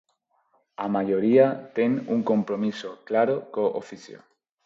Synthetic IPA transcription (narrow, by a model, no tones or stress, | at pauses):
amaʎoɾiat̪eŋuŋkompɾomisoklaɾokoʔo̰fiθjo̰